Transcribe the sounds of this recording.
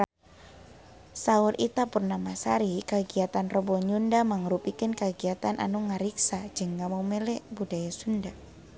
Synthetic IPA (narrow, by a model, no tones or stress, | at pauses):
sauɾʔit̪apurnamasaɾikəɡiat̪anrɔbɔɲundamaŋɾupikənkəɡiat̪anʔa̰nuŋaɾiksad͡ʒɨŋːamawmɛlɛbudajasunda